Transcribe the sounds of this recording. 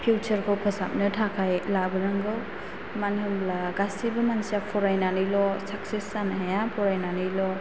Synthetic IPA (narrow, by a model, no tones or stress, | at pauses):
pʰuwt͡ʃʰəɾkʰɔwpʰəsap̚nɯtʰakʰajlabɯɾaŋɡɯw | manhɯmlaɡasibɯmansapʰɔɾajnanɯjlɔsaksisanɦajapʰɔɾajnanɯjlɔ